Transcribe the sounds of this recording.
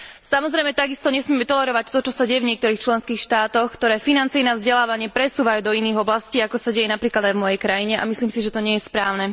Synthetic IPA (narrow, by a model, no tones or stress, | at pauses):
samɔzɾɛjmɛt̪aɡist̪ɔɲɛsmɪɛmɛt̪ɔlɛɾɔʋac̚t̪ɔt͡ʃɔsaɟɛjɛvɲɪɛkt̪ɔɾiːxt͡ʃlɛnskiːxʃt̪aːt̪ɔxkt̪ɔɾɛːfinant͡sijɛnavzɟɛlaːʋaɲɪɛpɾɛsuːʋajuːd̪ɔiniːɣɔblasciːakɔsaɟɛjɛnapɾiːklad̪ajvmɔjɛjkɾajiɲɛʔa̰misliːmsiʒɛt̪ɔɲɪɛjɛspɾaːʊnɛ